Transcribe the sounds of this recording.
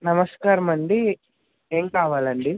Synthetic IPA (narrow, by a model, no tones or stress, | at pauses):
nɐmɐskaːɾɐmɐɳɖi | eːŋkaːʋaːlɐɳɖi